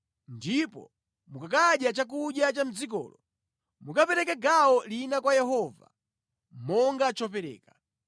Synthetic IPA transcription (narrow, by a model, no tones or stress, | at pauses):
ndipɔ̰ | mukakaɗjat͡ʃak̬uɗjat͡ʃam̩d͡zik̬ɔ̰ːlɔ | mukapɛɾɛkɛɡaɔlinakwajɛɦɔva̰ | mɔŋɡat͡ʃɔp̬ɛɾɛ̰ːkḁ